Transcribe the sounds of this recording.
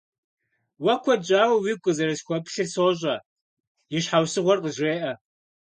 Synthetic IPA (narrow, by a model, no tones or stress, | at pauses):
wɐkʷʰɔd͡ʒʼaːwɐwiːkʷʼʊzɐɾɐɕxʷɐpɬɨrsoːɕʼɐ | jɪɕħawsɨʁʷɔrqʼəʒreːʔɐ